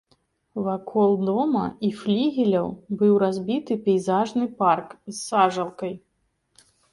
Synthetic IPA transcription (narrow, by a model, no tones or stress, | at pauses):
vakʰɔlˠd̪ɔmɐ̰iflʲiɣʲilʲɐwbɨwɾazʲbʲit̪ɨpʲijzaʐnɨparkzːaʐɐlˠkɐj